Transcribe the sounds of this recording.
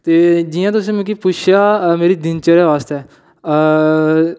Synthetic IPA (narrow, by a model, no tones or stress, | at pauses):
t̪eːd͡ʒijãt̪̬ʊs̬ĩːmũːkipʊt͡ʃʰjaːmeːɾiːd̪ɪnt͡ʃəɾeʋaːst̪ɛː